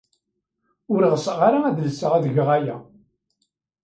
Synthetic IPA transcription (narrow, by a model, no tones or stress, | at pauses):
ʊɾiʁəsəʁaɾaæðəlsəʁæðəʝəʁæjæ̰